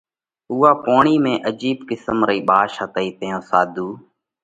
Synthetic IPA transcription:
uːaːpoːɳiːmẽːʔəd͡ʒiːɓkɪsəmɾəiːɓaːʃət̪əiːt̪əjõːsaːd̪ʱuː

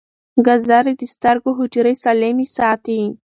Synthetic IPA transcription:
ɡazaɾid̪əst̪aɾɡoɦʊd͡ʒɾesalemisɑt̪i

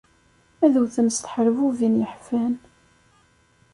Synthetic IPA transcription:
æðuθəmst̪ħɾvuvinjəħfæn

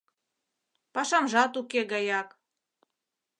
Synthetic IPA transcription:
pɑʃɑmʒɑt̪ukeɣɑjɑk

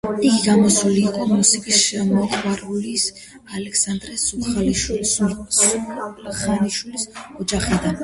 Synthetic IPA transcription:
iɡiɡamɔsuliːqʼɔmusikʼisʃɛmɔχwaɾulis | alɛksand̪ɾɛsuχaliʃils | χaniʃwilisɔd͡ʒaχɛd̪an

